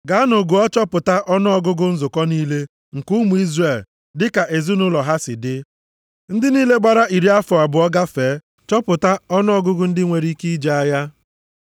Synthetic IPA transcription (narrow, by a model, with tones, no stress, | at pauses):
ɡa˨˦a˦nʊ˨ɡʊ˨ɔ˦t͡ʃɔ˦pʊ˨ta˦ʔɔ˦nʊ˦ɔ˦ɡʊ˦ɡʊ˦n̩˦zʊ˨kɔ˦niː˦le˦ | ŋ̩˨ku˦mu˨i˦zre˨l | dɪ˦ka˨ʔe˨zu˦nʊ˦lɔ˨ɦa˦sɪ˨dɪ˦ | n̩˦dɪ˦niː˦le˦ɡ͡ba˨ɾa˦ʔi˨ɾi˦a˦fɔ˨a˨bʊ˨ɔ˦ɡa˦feː˨˦ | t͡ʃɔ˦pʊ˨ta˦ɔ˦nʊ˦ɔ˦ɡʊ˦ɡʊ˦n̩˦dɪ˦ŋʷe˨ɾi˦ki˦i˦d͡ʒe˦a˦ja˦